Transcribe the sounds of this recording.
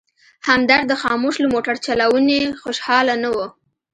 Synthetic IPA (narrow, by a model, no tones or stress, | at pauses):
hamd̪aɾd̪əxɑmoʃləmoʈaɾt͡ʃalawunexoʃhɑlanawo